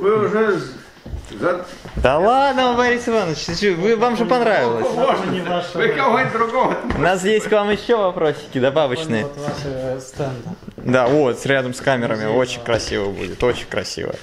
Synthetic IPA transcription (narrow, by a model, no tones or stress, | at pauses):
vɨʊʐɛ | zɐ | d̪ɐlˠad̪nəvɐɾʲisɨvanət͡ɕ̪sʲvɨvamʐɨpɐnɾavʲɪlˠəsʲoənʲɪvaʂkɐvonʲd̪ɾʊɡoʋəʊ̰nasjesʲtʲkvamjɪɕːo̞vɐpɾo̞ɕʲːɪ̥kʲɪd̪ɐbavət͡ɕnɨjət̪vaʂəɣst̪ɛnd̪d̪aot̪sɾʲad̪əmskamʲɪɾəmʲɪo̞t͡ɕɪnʲkɾɐsʲḭvəbṵdʲɪt̪o̞t͡ɕɪnʲkɾɐ̰sʲḭvə̰